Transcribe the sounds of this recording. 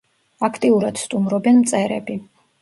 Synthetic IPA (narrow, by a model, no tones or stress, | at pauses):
akʰt̪ʼiuɾad̪̥st̪ʼumɾɔbɛnmt̪sʼɛɾɛ̰bi